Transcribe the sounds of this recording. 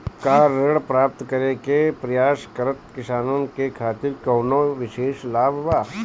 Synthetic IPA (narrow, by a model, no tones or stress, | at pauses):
kaːɾəɽpɾaːp̚t̪kɐɾẽkepɾɐjaːʃkɐɾət̪kɪsaːnõːnkekʰaːt̪ɪɾkɐːnoʋɪʃeːʃlaːbʱʋaː